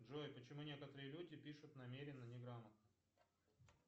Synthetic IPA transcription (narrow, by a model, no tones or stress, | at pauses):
dʐojpət͡ɕɪmunʲe̞kət̪əɾɨjəlʲudʲɪpʲiʂʊt̪nɐmʲeɾʲɪnːənʲɪɡɾamət̪̚nə